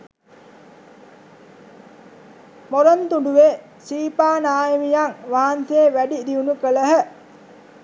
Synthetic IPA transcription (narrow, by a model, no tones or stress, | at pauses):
moɾɐnt̪uɳɖuʋe | siːpaːnaːjemijaŋʋaːnt̪eːʋæɖid̪iunukələɦə